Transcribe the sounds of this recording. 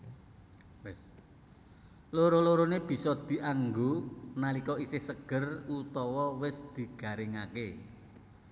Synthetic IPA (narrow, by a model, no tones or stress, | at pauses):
ws | loɾoloɾoneb̥i̤sɔd̪̥i̤ʔaŋɡonalikɔisɪhsəɡ̥ə̤rut̪ɔwɔwɪsd̪̥i̤ɡ̥a̤ɾɪŋake